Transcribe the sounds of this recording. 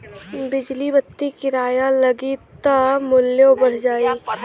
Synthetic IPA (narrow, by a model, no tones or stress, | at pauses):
bɪd͡ʒlibət̪ːikɪɾaːjalɐɡit̪amʊljõbɐɽ̤d͡ʒaːiː